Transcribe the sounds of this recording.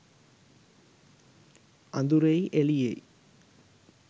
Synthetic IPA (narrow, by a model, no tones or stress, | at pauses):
and̪uɾejʔeliḛj